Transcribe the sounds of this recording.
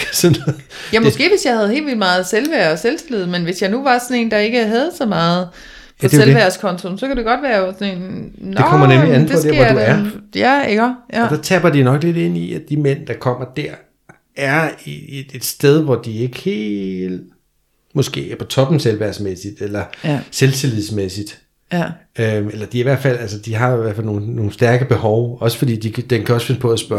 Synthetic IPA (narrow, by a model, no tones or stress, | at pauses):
sɔnɔ | jæmɔsɡ̥e̝̰ːʋe̝sjɑ̈ɪhæð̞̩ˠhe̝̰ːlʋilmɑ̈ːð̞̩ˠselʋæɐ̰selsd̥elið̞̩ˠmenʋe̝sjɑ̈ɪnuʋɑ̈sɒ̽ne̝̰ːnd̥ɑ̈e̝ɡ̥əɦæð̞̩ˠsɒ̽mɑ̈ːð̩ˠ | pʰdeselʋæɐskʰɒ̽nt͡sʰo̝msɒ̽kʰæd̥e̝ɡ̥ɒ̽d̥ʋæːɐjosɒne̝̰ːnnd̥kɒm̰ɐnemliæn̩deɒsdeɐduæɐjæɡ̥ɒd̥æt͡sʰæb̥ɐd̥inɒ̽ɡ̥le̝d̥e̝n̰iæd̥imen̰d̥ɑ̈kʰɒ̽m̰ɐd̥æɐ̰ | æɐeee̝d̥sd̥eð̞ˠʋɒd̥ie̝ɡ̥əhe̝̰ːld̥ | mɔ̽sɡ̥e̝̰ːæɐpʰɒ̽t͡sʰɒ̽b̥m̩selʋæɐsmesid̥elɐselt͡sʰeliðˠsmesid̥ | øelɐd̥iæiʋæɐ̰d̥fæl̰ælsəd̥iɦɑ̈iʋæɐ̰fæl̰no̝ːno̝ːŋ̩sd̥æɐɡ̥əb̥e̝hɒʊɒ̽sə̥fɒdḭːd̥id̥enkʰæɒsfe̝nəpʰɒ̽æsb̥ɶ